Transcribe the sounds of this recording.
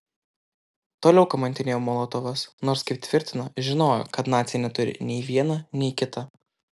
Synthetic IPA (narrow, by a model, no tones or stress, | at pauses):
t̪oːlʲɛʊkɐmɐnʲt̪ʲɪnʲeːjoːmolˠoːt̪oːʋɐsnoːɾskɐɪp̚t̪ʲʋʲɪɾʲt̪ʲɪnɐʒʲɪnoːjo̰kɐt̪nɑːt̪sʲɪjɛnʲɛt̪ʊɾʲɪ̰nʲɛɪʋʲiɛnɐnʲɛɪkʲɪt̪ɐ